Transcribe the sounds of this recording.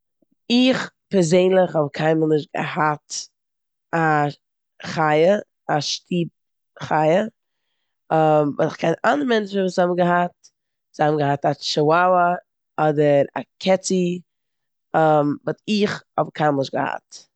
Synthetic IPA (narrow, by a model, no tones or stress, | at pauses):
ɪχ | pɛɾzeɪnlˠɪχhɔbkʰaɪmənɪʃ̚ɡ̥ə̰hat | a | χaɪə | aʃtʰiːp̚ | χaɪə | mvɔ̰sɪχkʰɛɪnandəɾmɛnt͡ʃ̩vuːshɔbm̩ɡəɦat̚ | z̥hɔbmɡəhataʃəwawə | ɔdəɾa̰kʰɛt͡si | mvɔtɪχɔbkʰaɪmlˠɪʃɡəha̰t